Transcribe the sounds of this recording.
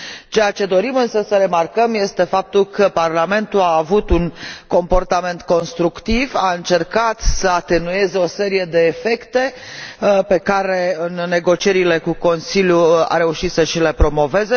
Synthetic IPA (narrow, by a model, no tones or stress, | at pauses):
t͡ʃe̞jat͡ʃe̞d̪o̞ɾimɨnsəsəɾe̞markəmje̞st̪e̞fap̚t̪ulkəparlame̞nt̪ulaːvut̪unko̞mpo̞rt̪ame̞nt̪ko̞nst̪ɾukt̪ivaɨnt͡ʃe̞rkat̪səat̪e̞nue̞zeo̞se̞ɾije̞d̪e̞ːfe̞kt̪e̞ | pe̞kaɾe̞ɨnːe̞ɡo̞t͡ʃie̞ɾile̞kuko̞nsiljua̰ɾe̞uʃit̪səʃile̞pɾo̞mo̞ve̞ze